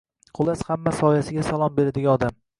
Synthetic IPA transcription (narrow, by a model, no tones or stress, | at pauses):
qʰʊlˠashamːasɒjasɪɡʲasalˠɒmbe̞ɾɪd̪ɪɡʲaɒd̪am